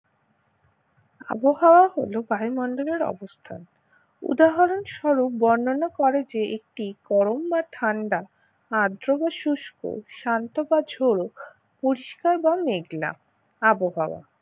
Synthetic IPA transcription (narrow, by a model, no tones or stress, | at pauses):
a̰boɦaoaɦo̰lobajmɔɳɖoleɾɔ̰bost̪ʰan | ṵd̪aɦaɾonʃɔɾup̚bɔnːonakɔɾed͡ʑeek̚ʈikɔɾombaʈʰaɳɖa | ad̪ɾobaʃuʃkʰo̰ʃant̪obad͡ʑʱoɾo | poɾiʃkaɾbameɡla̰ | aboɦaoa̰